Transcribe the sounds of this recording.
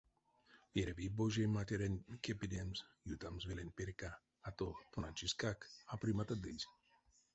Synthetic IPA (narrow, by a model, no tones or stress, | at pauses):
veɾɛviboʒematʲeɾenʲkepid̪emzjut̪amzvelenʲpeɾkaː | t̪ot̪onanʲt͡ʃiskakapɾimat̪ad̪ɨzʲ